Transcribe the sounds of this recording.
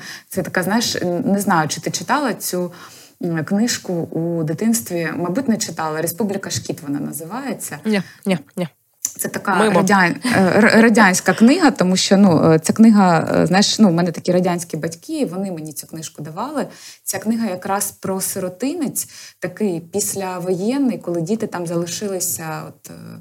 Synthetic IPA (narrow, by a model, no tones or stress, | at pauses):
t̪sɛt̪ɐkaznɑjɪʃnɛznɑjʊt͡ʃɪ̥t̪ɪt͡ʃɪ̥t̪ɑlˠɐt͡sʲu | knɪʃkʊud̪ɪt̪ɪnst̪ʋʲimɐjbutʲnɛt͡ʃɪt̪ɑlˠɐɾespublʲɪkɐʃkʲit̪ʋɔnɑ̰nɐzɪʋɑjet͡sʲːɐ | t̪sɛt̪ɐkɑɾɐdʲarɾɐdʲanʲsʲkɐknɪɦɐt̪ɔmuʃt͡ʃɔnut͡sʲaknɪɦɐ̰znɑjɪʃnumɛnɛt̪ɐkʲiɾɐdʲanʲsʲkʲibɐtʲkɪʋɔnɪmenʲit͡sʲuknɪʃkʊd̪ɐʋɑlˠɪt͡sʲaknɪɦɐjɐkɾɑspɾɔsɪɾɔt̪ɪnɪt͡sʲt̪ɐkɪjpʲisʲlʲɐʋɔjɛnːɪjkɔlˠɪdʲit̪ɪt̪ɑmzɐlˠɪʃɪlˠɪsʲɐɔ̰t̪